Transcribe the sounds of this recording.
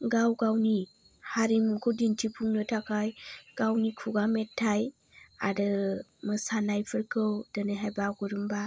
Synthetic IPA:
ɡawɡawni | haɾimukʰodintʰipʰuŋnɯtʰakajɡ̥awnikʰuɡamɛtʰːaj | a̰dɯməsanajpʰəɾkʰəwdənəɦabaɡuɾumba

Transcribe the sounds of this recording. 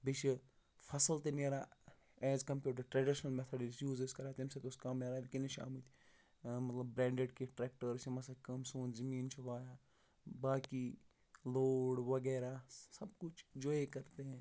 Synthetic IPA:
bit͡ʃʰi | fɐsəlt̪eneɾaː | ɛːzkɐmpʲjuːʈ̬ɐɾʈɾeɖiʃnɐlmɛt̪ʰɐɖisjuːzeskɐɾaːt̪imset̪oskɐmneːɾaːlikɪneʃa̰ːmut̪ʰʲ | mɐt̪lɐbːɾẽːɳɖeɖkiʈɾeːk̚ʈəɾsimɐsakɐmsuːnzɐmiːnt͡ʃʰuʋaːjaː | baːki | loːɽʋɐɡeːɾasɐb̚kʊt͡ʃʰd͡ʒoːekɐɾt̪eɦɛ̃

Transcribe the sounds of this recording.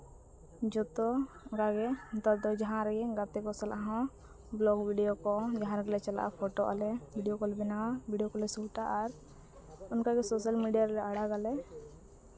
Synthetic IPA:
d͡ʒɔt̪ɔkaɡɛt̪ɔd̪ɔd͡ʒaɦãɾɡɛɡat̪ɛkɔsalʔaɦɔ̃ | blɔɡbiɖijokɔd͡ʒaɦãɾklɛt͡ʃəla̰ʔpʰoʈoʔa̰lɛbiɖijokɔlɛbɪnaabiɖijokɔlɛsuʈaʔaɾ | ʊnkaɡɛsosəlmiɖijaɾɾɛaɽaɡalɛ

